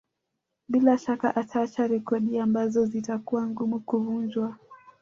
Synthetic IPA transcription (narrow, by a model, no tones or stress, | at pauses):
ɓilaʃakaʔatat͡ʃaɾɛkɔɗiambazɔzitakuwaŋɡumukuvund͡ʒwa